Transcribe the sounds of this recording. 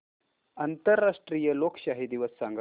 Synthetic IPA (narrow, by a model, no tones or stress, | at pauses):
ɐnt̪əɾːaʂʈɾijəlokɕaɦid̪iʋəsːaŋɡ